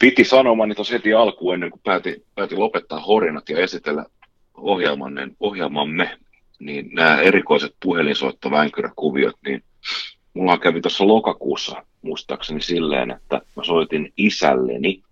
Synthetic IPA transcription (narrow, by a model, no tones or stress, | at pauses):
pit̪isɑnomɑnit̪oshet̪iɑlkuːenːeŋkupæːt̪ipæːt̪ilopet̪ːɑːhorinɑt̪jɑesit̪elːæ̰ | ohjelmɑ̰nːḛnohjelmɑmːe | niːnnæːerikoiset̪̚puhelinso̰it̪ːoʋæŋkyrækuʋio̰t̪niːn | mulːɑkæʋit̪osːɑlokɑkuːsːɑ̰ | muist̪ɑ̰ːksenisilːḛːnḛt̪ːæ̰mæsoit̪inisæ̰lːḛni